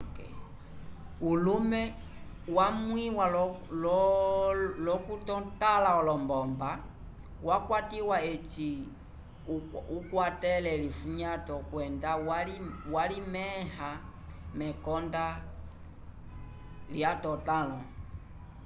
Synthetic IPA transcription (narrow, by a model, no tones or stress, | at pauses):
k | ulumɛ | wamwiwal | lɔkutɔtalaɔlɔmbɔmba | wakwatiwaɛt͡ʃi | ukwatɛlɛlifuɲatɔkwɛndawaliwalimɛha | mɛkɔnda | ljatɔtalɔ